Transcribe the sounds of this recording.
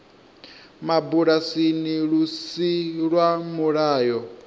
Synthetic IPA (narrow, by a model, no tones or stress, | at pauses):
mabuɺasiniɺusiɺwamuɺaːjɔ